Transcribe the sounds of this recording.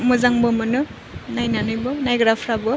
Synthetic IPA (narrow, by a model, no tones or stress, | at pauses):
mɯzaŋbɔmɯnɯ | najnanɯjbɔnajɡɾapʰɾabɔ